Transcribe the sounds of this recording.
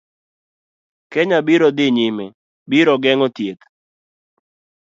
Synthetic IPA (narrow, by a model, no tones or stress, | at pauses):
kɛɲabiɾɔd̪ɪɲimɛ | biɾɔɡɛŋɔtjek